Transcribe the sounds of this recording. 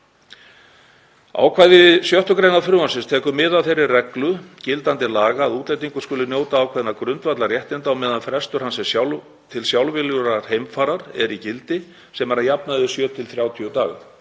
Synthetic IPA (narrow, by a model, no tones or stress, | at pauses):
a̰ːwkʰvaːjðɪvɪðsjœht̪ʏkɾejnaðfɾʏːvansɪnst̪ʰɛːkʏmɪðawθejɾːɪrrɛklʏcɪlt̪ant̪ɪlaːɣaːðuːt̪lejt̪̬iŋkʏ̥skʏːlʏnjoːwt̪aaːwkʰvɛðnakɾʏnt̪vat̪laɾrjɛht̪ɪnt̪awmɛðanfɾɛst̪ʏɾ̥hansɛsa | t̪ʰɪlsjawlvɪljʏɾaɾ̥hejmfaːɾaɾ̥ɛɾicɪlt̪ɪ | sɛmaɾajap̚naðʏsjœːt̪ʰɪlθɾjaːwt̪ʰijʏt̪aːɣɪ̰